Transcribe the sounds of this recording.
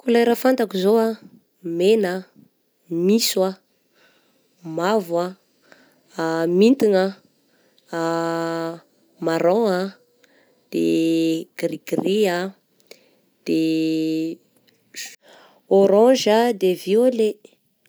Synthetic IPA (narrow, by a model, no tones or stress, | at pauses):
kulaɾafant̪akizoa | menə | miswa | mavwa | mint̪iŋə | maɾɔa | d̪̥ḛɡ̥riɡria | d̪̥e | oɾɔ̃ʒad̪eviole